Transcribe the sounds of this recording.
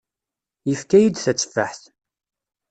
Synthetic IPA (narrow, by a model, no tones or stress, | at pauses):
jəfkæjid̪θæt͡sːə̥fːaħθ